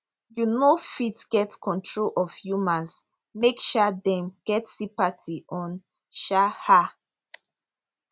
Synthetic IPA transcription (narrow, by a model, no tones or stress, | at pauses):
junofitɡ̥ɛtkʰɔ̃ntʰɹolʔɔv̥jumãns | mekʃadɛ̃mɡ̥ɛtsipatʰiʔɔ̃n | ʃaha